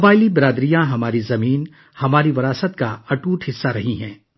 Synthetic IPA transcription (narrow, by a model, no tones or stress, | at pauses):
kɐbaːɪlibɪɾaːd̪ɾijãɦɐmaːɾizɐmiːn | hɐmaːɾiʋɐɾaːsət̪̚kaɐʈuːʈɦɪsːaɾɐɦĩɦɛ̃ː